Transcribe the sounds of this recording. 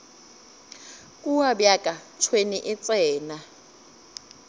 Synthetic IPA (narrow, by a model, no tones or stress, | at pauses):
kʼuwabjakʼat͡ʃʰweniʔɪt͡sʼɛːna